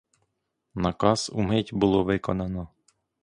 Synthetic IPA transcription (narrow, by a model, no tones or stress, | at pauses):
nɐkɑsṵmɪtʲbʊlˠɔʋɪkɔnɑnɔ